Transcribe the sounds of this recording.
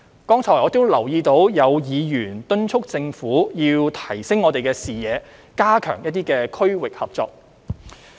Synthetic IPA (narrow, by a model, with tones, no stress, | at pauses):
kɔː˥ŋt͡ʃʰɔː˨˩jɔː˨˧t̪o˥wlɐ˨˩wjiː˧t̪o˨˥wjɐ˨˧wjiː˨˧jyː˨˩nt̪ɵ˥nt͡ʃʰʊ˥k̚t͡sɪ˧ŋfuː˨˥jiː˧wt̪ʰɐ˨˩jsɪ˥ŋːɔː˨˧t̪e˨jkɛː˧siː˨˩jɛː˨˧ | kaː˥kʰœ̰ː˨˩ŋjɐ˥t̚t̪iː˥kɛː˧kʰɵ˥ɥwɪ˨k̚hɐ˨p̚t͡sɔ̰ː˧k̚